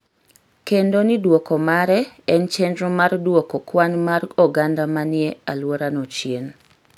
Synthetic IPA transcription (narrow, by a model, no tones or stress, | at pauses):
kendonidwokomaɾɛɛnt͡ʃɛndɾomardwokokwanmarɔɡandamanɪɛalwoɾanot͡ʃjen